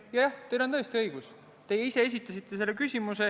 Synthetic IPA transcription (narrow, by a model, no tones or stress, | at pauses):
jɑjɑht̪e̞jlo̞nt̪ɤ̞e̞st̪iɤiɡ̥us | t̪e̞jeise̞es̬ʲit̪ːˑɑsit̪ˑːe̞s̬e̞lːekysʲimuse̞